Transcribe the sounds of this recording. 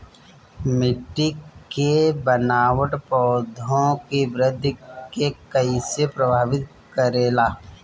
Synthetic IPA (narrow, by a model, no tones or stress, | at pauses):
mɪʈːikebənaːwəʈpɔːd̪ʱõkibɾɪd̪ʱːkekɐisepɾəbʱaːʋɪt̪ | kəɾeːlaː